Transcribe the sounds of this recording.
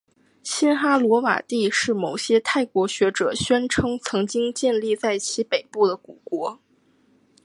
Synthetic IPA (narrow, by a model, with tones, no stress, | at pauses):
ɕi˥nxa˥lwɔ˧˥wa̰˨˩t̪i˥˧ʂɻ̩˥˩mo˨˩ʊɕjɛ˥t̪ʰa˥˩ɪkwɔ˧˥ɕɥɛ˧˥ʈ͡ʂɤ˨˩ɕɥɛ˥nʈ͡ʂʰɤ˥ŋt͡sʰɤ˧˥ŋt͡ɕi˥ŋt͡ɕjɛ˥˧nli˥˧t͡sa˥˩ɪt͡ɕʰi˧˥pe˨˩ɪpu˥˩d̪ə˩ku˨˩kwɔ˧˥